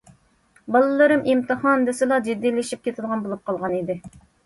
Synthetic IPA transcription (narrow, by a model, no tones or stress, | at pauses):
bɑlˠɨlˠɨɾɨmʔimt̪ɨhɑnd̪ɪsɨlˠɑd͡ʒid̪ːilɪʃip̚kʲet̪ʰɪlˠʁɑnbolˠup̚qʰɑlˠʁɑnid̪ɪ